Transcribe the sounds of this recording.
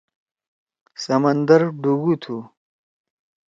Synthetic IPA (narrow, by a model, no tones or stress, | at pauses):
sɐmɐnd̪ɐɾɖuɡut̪ʰu